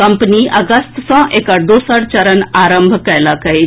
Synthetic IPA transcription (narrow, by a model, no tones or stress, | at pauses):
ɐmpniʔɐɡəst̪sɔ̃ʔekəɽd̪osəɽt͡ʃəɾənaɾə̃mbʱkəjlakɐe